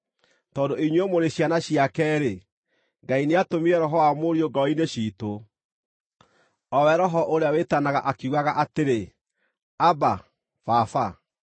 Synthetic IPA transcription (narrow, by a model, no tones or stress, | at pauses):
tɔːndoiɲwemoɾeɕjanaɕiakɛːɾe | ŋɡaineatomiɛɾɔɦɔwamoɾioɡɔineʃiːto | ɔwɛɾɔɦɔʔoɾeawetanaɣaʔakiuɣaɣaʔateɾe | aba | fafa